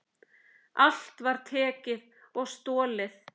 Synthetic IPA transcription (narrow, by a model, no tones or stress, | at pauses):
al̥t̪vaɾ̥t̪ʰɛːcɪð | ɔɣst̪ɔːlɪθ